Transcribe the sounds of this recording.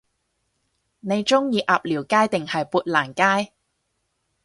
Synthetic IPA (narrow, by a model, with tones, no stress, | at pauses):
ne˨˧jt͡ʃʊ˥ŋjiː˨˧ʔaː˨p̚liː˨˩wkaː˥jt̪ɪ˨ŋhɐ˨jpuː˧t̚laː˨˩nkaː˥j